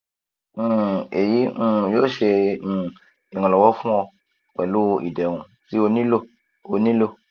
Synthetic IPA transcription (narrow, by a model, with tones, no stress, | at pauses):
e˨jĩ˦˨jo˦ʃe˧˦˨ | i˨ŋɔ̃˨lɔ˨wɔ˦fũ˦ɔ˧ | k͡pɛ˨lu˦ʔḭ˨dɛ˨ŋũ˨ | si˦o˧nĩ˦lo˦ | o˨nĩ˦lo˦